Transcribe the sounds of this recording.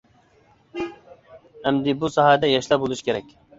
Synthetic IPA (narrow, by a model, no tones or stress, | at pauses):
ɛmd̪ɪbusɑɦɑd̪ɛjɑʃlæpbolˠuʃkʲʰeɾɛkʲ